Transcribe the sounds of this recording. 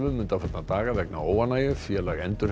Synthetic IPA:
vʏmʏnt̪afɛt̪nat̪aːɣavɛkna̰oːwanaːjʏfjɛːlaɣɛnt̪ʏɾ̥

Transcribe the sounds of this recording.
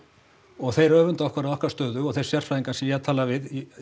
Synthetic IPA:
ɔɣθejɾœːvʏnt̪aɔhkvaɾaðɔhkaɾ̥st̪œːðʏɔɣθejsjɛr̥fajiŋkasɛmjɛt̪ʰaːlavɪði

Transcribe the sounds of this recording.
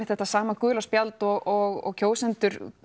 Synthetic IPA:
ɪθɛht̪ːasaːmakʏːlaspjalt̪ɔɣɔɣɔ̰ɣcʰoːwsɛnt̪ʏɾ

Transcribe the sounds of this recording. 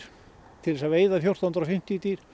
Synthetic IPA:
t̪ʰɪlðɛsaveːjðaθjowr̥st̪ant̪ɾafɪm̥t̪ɪit̪iɾ̥

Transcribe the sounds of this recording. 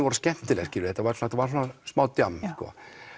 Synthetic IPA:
vɔɾʏscɛn̥t̪ɪlɛɣscɪɾʏɾθɛt̪ːavaɾsnːɛt̪ːavaɾ̥s̬ɔnasmaːwt̪jamskɔ̰ː

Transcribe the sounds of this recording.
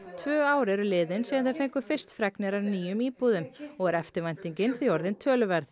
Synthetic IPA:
t̪ʰvœːaːwɾɛɾʏlɪːðɪnsiːɣanθɛðfejŋkʏ̥fɪr̥st̪fɾɛknɛɾaɾniːjʏmiːpuðʏmɔɣɛɾɛft̪ɪɾvajn̥t̪iɲcɪnθiɔɾðɪnt̪ʰœːlʏvɛɾθ

